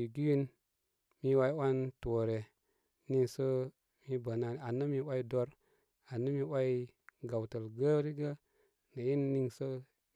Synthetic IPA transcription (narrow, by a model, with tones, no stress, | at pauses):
i˨ɡi˦wi˦n | mi˦wa˦i˦wa˦nto˨ɾe˨ | ni˦ŋsə˦ | mi˦bə˨na˨a˨nə˦mi˦wa˦i˦do˦ɾ | a˨nːə˦mi˦wa˦ji˦ | ɡa˨wtə˨lɡə˦ɾi˦ɡə˦ | nə˨ji˦nːi˦ŋsə˦